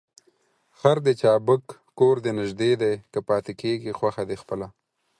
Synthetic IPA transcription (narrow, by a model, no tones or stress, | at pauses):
xaɾd̪ət͡ʃɑːbəkː | oɾd̪enɪʒd̪ed̪ajkəpɑːt̪ekeɡixwaxad̪expəla